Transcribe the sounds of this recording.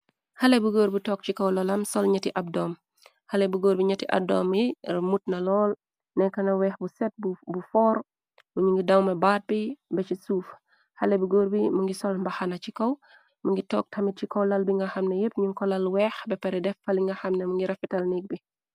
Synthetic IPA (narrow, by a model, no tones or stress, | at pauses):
hɐlɛbuɡoːɾbitɔːk̚cikɐwlɔlɐmsɔlɲɐtiʔɐb̚dɔːm | hɐlɛbuɡoːɾbiɲɐtiʔɐ̰b̚dɔ̰ːmimut̚nɐlɔːl | nɛkɐnɐwɛːxbusɛt̚bubufɔːɾ | buɲuŋɡidɐwmɐbaːt̚bibɛt͡ʃisuːf | hɐlɛbuɡoːɾbimɐŋɡisɔlmbɐxɐnɐt͡ʃikɐw | mɐŋɡitɔ̰ːk̚tʰɐmit̚cikɔwlɐlbiŋɡɐxɐmnɛjepɲuŋkɔlɐlwɛːxbɛpɛɾɛdɛfɐliŋɡɐxɐmnɛmuŋɡiɾɐfitɐlnik̚bi